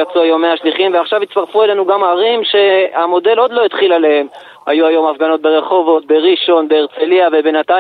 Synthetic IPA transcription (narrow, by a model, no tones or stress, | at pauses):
at͡suajo̞meaʃliχimveaχʃavit̪st̪aʁfue̞le̞nuɡamaʁimʃe̞amo̞de̞lo̞d̪lo̞it̪χilalehem | a̰juajo̞mafɡano̞t̪̚be̞ʁe̞χo̞vo̞t̪̚be̞ʁiʃo̞nbeːʁt͡seliave̞be̞nat̪a